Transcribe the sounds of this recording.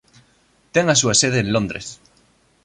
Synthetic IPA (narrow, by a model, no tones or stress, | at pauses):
t̪eŋasuaseð̞eːnlõnd̪ɾes